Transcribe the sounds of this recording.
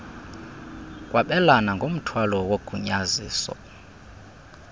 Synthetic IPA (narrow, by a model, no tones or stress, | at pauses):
kʼwaɓɛlanaŋɡʱom̩tʰwalɔwoɡ̥ʱuɲaziːsɔ̰